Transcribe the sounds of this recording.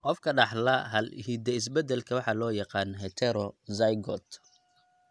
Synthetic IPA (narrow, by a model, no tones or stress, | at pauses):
qɔfkʰɐɖɑħlɐɦɐlhid̪ɐɪs̬bɛd̪ɛlkʰɐwɑħɑlɔːjɑqɑːnɦɛt̪ʰɛɾɔzɐjɡɔt̪